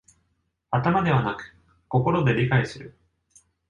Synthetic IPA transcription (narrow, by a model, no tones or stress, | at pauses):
at̪amad̪e̞β̞anakɯ̟̥ | ko̞ko̞ɾo̞d̪e̞ɾʲikaisɨɾɯ̟